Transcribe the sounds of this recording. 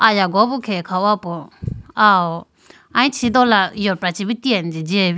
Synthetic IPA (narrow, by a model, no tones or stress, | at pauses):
ajaɡɔbukʰɛkʰawapɔaɔ | aĩt͡ʃʰid̪ɔlajɔpɾat͡ʃibit̪iand͡ʒid͡ʒeb